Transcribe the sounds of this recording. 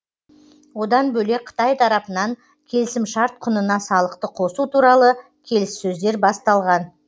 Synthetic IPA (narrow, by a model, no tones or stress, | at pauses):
wo̞d̪ɑnbɵle̞qʰə̥t̪ɑjt̪ʰɑɾɑpənɑŋ | kʲʰe̞lɪsɪmʃɑɾt̪̚qʰʊnənɑsɑlˠəqt̪əqʰo̞sut̪ʰuɾɑlˠə | kʲʰe̞lɪsːɵzd̪e̞ɾbɑst̪ɑlˠʁɑn